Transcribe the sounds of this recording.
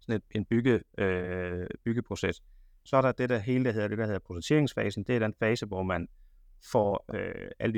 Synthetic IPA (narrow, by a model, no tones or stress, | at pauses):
sɒ̽ned̥e̝nb̥yɡ̥əðˠøb̥yɡ̥əpʰʁo̝ses | sɒ̽æɐɾɑ̈d̥eɾ̥æɦe̝̰ːləd̥æɦeɐd̥e̝dæhe̝ð̰ˠɐpʰʁosent͡sʰe̝ɐ̰eŋsfɛːsn̩d̥e̝æd̥enfɛːsəʋɒmæn | fɒ̰øʔæləd̥